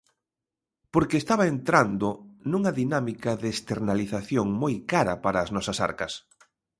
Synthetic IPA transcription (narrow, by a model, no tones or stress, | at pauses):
poɾkeːst̪aβɐent̪ɾand̪ʊnuŋɐðinamikɐðest̪eɾnaliθaθjoŋmojkaɾɐ̰paɾɐːznɔsɐsa̰ɾkɐs